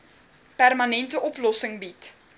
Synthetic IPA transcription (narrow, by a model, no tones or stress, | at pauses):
pærmɐnɛntəʔɔplɔsəŋbit